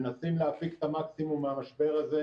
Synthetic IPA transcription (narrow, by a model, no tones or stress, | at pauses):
nasimleafike̥t̪amaksimumːeamaʃbe̞ʁaze